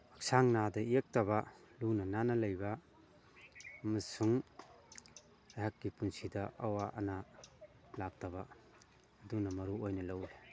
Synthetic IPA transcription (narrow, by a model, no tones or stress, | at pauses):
ɐk̚saŋnadɐiek̚tɐβɐlunɐnanɐlɐjbɐ | ɐmɐsuŋ | ajhɦakːipunsidɐʔɐwaʔɐ̰na | lak̚tɐbɐ | ɐdunɐmɐɾuojnɐlɐwle